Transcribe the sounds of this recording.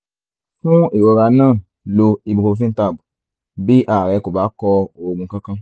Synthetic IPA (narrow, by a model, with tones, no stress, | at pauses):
fũ˦i˦˨wo˨˧˦ɾa˧˦nãː˦˨ | lo˧i˧bu˧ko˧fĩ˦ta˦˨bu˨ | bi˦ʔa˦˨ɾɛ˨˧˦ko˨ba˨˦kɔ˧o˧˨ɡũ˧kã˦kã˦